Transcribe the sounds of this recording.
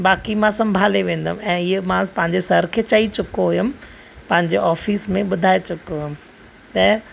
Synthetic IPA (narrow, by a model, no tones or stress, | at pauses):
ɓaːkimãsɐ̃mbʱaːleʋẽːnd̪əmɛ̃ːɪmãpɐ̃ɦɪ̃ɲd͡ʑesɐɾkʰeːt͡ɕɐit͡ɕʊkoɦʊjʊm | pɐ̃ɦɪ̃ɲd͡ʑeʔɔːfiːsmẽɓʊd̪ʱaːet͡ɕʊkoɦʊjʊm | t̪ɐ